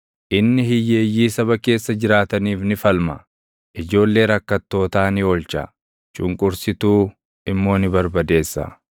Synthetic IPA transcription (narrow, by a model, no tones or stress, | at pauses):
ʔɪnːɪhɪjːe̞ːjːiːsɐβɐke̞ːsːɐd͡ʒɪɾaːt̪ɐniːfnɪfɐlmɐ | ʔɪd͡ʒo̞ːlːe̞ːɾɐkːɐt̪ːo̞ːt̪aːnɪoːlt͡ʃɐ̰ | t͡ʃʊŋkʼʊɾsɪt̪uː | ɪmːo̞ːnɪbɐɾbɐd̪e̞ːsːɐ̰